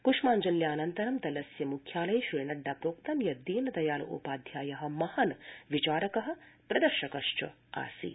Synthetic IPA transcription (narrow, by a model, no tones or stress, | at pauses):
kuʂmaːɲd͡ʒɐljaːnɐnt̪ɐɾɐmt̪ɐlɐsjɐmukʰjaːlɐjʃiːɾɳɐɖːaːpɾoːk̚t̪ɐmjɐd̪iːnɐd̪ɐjaːlɐʔṵpaːd̪ʱjaːjɐɦɐ̆mɐhɐnʋit͡ʃaːɾɐkɐɦɐ̆pɾɐd̪ɐɾʃɐkɐʂt͡ʃɐ̰ | a̰ːsḭ